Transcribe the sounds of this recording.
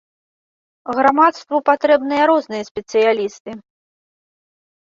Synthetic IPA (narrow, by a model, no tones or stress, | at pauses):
ɣɾamat̪st̪vɐpat̪ɾɛbnɨjɐɾɔznɨjɐsʲpʲɛt̪sɨjalʲist̪ɨ